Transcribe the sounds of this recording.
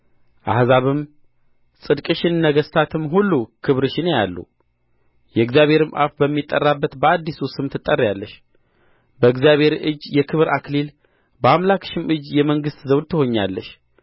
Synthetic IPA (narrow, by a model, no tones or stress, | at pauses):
ʔahzaβɨm | sʼɨd̪kʼɨʃɪnnəɡəst̪ʰat̪ʰɨmɦulːukʰɨβɾɨʃɪnjalːṵ | jɛɨɡzijaβʱhe̞ɾɨmʔa̰fbəmːit̪ʼːərːabːət̪bəad̪ːisusɨmt̪ʰɨt̪ʼːərːjalːəʃ | bəɨɡzjaβhe̞ɾʔɨd͡ʒːjɛkʰɨβɾʔaklil | bəamlakʃɪmʔɨd͡ʒːjɛməŋɡɨst̪zəw̪t̪ʰːɨho̞ɲːalːəʃ